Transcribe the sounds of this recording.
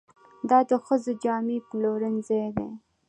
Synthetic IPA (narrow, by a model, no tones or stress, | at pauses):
d̪ɑd̪əxəzod͡ʒɑmiploɾənzejd̪ḛ